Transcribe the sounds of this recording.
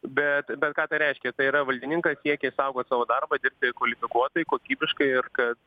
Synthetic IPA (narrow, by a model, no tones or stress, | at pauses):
bʲɛt̪bʲɛt̪kɑːt̪ɐɪɾʲɛɪʃʲkʲɛt̪ɐɪiːɾɐʋɐlʲd̪ʲɪnʲɪŋkɐssʲiɛkʲɛisɐʊɡoːt̪sɑːʋoːd̪ɐrbɐd̪ʲɪɾʲrp̚ʲt̪ʲɪkʋɐlʲɪfʲɪkuɔt̪oːjɪkoːkʲiːbʲɪʃkɐɪɪrkɐt̪